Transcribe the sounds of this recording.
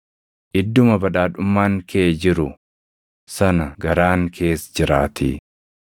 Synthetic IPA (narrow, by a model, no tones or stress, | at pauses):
ʔɪd̪ːʊmɐbɐᶑaːᶑʊmːaːŋkʰeːd͡ʒɪɾʊ | sɐnɐɡɐɾaːŋkʰe̞ːsd͡ʒɪɾaːt̪i